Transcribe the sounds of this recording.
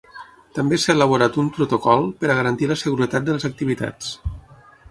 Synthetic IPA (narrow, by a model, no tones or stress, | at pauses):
t̪əmbesaeləβ̞uɾat̪umpɾut̪okɔlˠpəɾəɣəɾənt̪iləsəɣuɾət̪at̪̚d̪ələzək̚t̪iβit̪a̰t͡s